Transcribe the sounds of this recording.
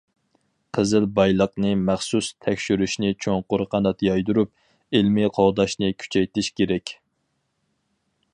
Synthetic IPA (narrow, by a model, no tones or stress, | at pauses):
qʰəzɨlbɑjlˠəqnɨmæχsust̪ʰɛkʲʃyɾyʃnɪt͡ʃʰoŋqʊɾqʰɑnɑt̪jɑjd̪uɾup̚ | elmɪqʰoʁd̪ɑʃnɨkʲʰy̥t͡ʃʰɛjt̪ʰɪʃkʲeɾɛkʲ